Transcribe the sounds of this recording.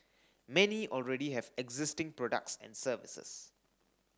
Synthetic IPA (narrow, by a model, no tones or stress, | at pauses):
mɛniʔɔlɹɛɾiɦɛvɛɡzɪstɪ̃ŋpɹɔdə̰k̚tsɛ̰̃nsəvɪsə̰s